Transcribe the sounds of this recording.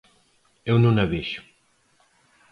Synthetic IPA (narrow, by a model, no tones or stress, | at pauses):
ewnũŋɐβeʃu̥